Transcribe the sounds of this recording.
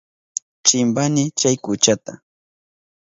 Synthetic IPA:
t͡ʃɪmbanɪt͡ʃajkʊt͡ʃat̪a

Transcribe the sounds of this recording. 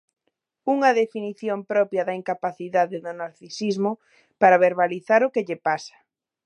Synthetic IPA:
uŋɐðefiniθjompɾɔpjɐðɐiŋkapaθiðaðɪðʊnaɾθisizmʊ | paɾaβ̞eɾβaliθaɾʊkeʎepasɐ̥

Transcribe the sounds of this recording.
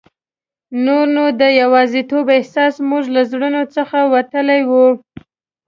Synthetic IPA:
noɾnod̪əjawɑzit̪obɪhsɑsmuʒlazɽənot͡səxawat̪əlajwu

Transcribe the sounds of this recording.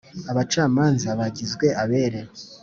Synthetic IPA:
aβat͡ʃaːmaːnzaβaɟizɡwe̞ʔaβe̞ːɾe̞ɾo

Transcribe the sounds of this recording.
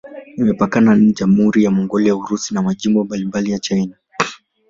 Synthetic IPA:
imɛpakananiʄamhuɾijamɔŋɡɔlijauɾusinamaʄimbɔmbalimbalijat͡ʃajna

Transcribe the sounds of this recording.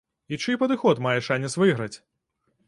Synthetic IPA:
it͡ʂɨpɐd̪ɨxɔt̪majɛʂanʲːɐsvɨɣɾɐt͡sʲ

